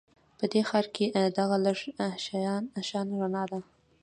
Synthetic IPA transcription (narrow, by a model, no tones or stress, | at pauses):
pəd̪exɑɾked̪aɣaləʐʃaɑnʃɑnɾanɑd̪a